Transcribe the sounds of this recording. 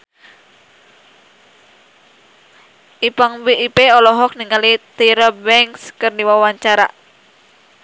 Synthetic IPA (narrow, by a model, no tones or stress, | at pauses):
ʔipaŋbiipeɔlɔɦɔk̚niŋalit̪iɾəbɛŋkskɨrdiwawaɲt͡ʃaɾa